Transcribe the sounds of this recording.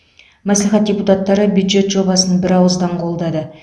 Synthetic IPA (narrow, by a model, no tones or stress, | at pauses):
mæsliχɑt̪̚dʲeput̪ɑt̪ːɑɾəbjud̪ʒe̞t̪ʒo̞bɑsənbɪɾɑwəzd̪ɑɴqʰo̞lˠd̪ɑd̪ə